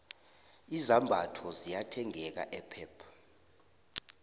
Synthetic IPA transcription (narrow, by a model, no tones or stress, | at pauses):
izambʱatʰɔzijatʰɛŋɛk̬a̰ʔɛpʰɛːpʰḁ